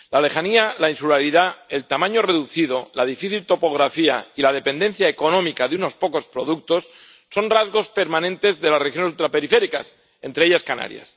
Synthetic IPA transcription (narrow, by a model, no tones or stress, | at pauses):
lale̞xanialainsulaɾiðae̞lt̪amãɲore̞ðuθiðo̞laðifiθilt̪o̞po̞ɣ̞ɾafia̰ilað̞e̞pe̞nd̪e̞n̟θjaeko̞nõ̞mikaðuno̞spo̞ko̞spɾo̞ðuk̚t̪o̞sː | o̞nrazɣo̞spe̞ɾmãnẽnt̪e̞zðe̞lasrexjonesult̪ɾape̞ɾife̞ɾikas | ẽ̞nt̪ɾe̞eʎaskana̰ɾja̰s